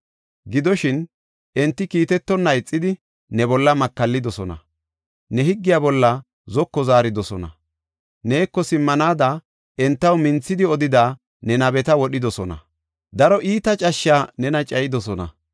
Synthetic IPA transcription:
ɡɪd̪ɔʃɪn | ʔɛnt̪ːɪkiːt̪ɛt̪ːɔnːɐjɪt͡sʼːɪd̪ɪ | nɛbɔlːɐmɐkːɐlːɪd̪ɔsɔnɐ̰ | nɛhɪɡːɪjaːbɔlːɐ | zɔkːɔzaːɾɪd̪ɔsɔnɐ̰ | ne̞ːkːɔsɪmːɐnaːd̪ɐ | ɛnt̪ːɐwmɪnt͡sːɪd̪ɪɔd̪ɪd̪aː | nɛnɐbɛt̪ɐwɔɗɪd̪ɔsɔnɐ̰ | d̪ɐɾɔʔiːt̪ɐt͡ʃʼɐʃːaːnɛnɐt͡ʃʼɐjɪd̪ɔsɔnɐ̰

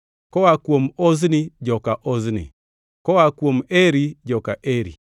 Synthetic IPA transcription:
kɔwakwomoznɪd͡ʒɔkaʔoznɪ̰ | kɔwakwomeɾid͡ʒɔkaʔeɾḭ

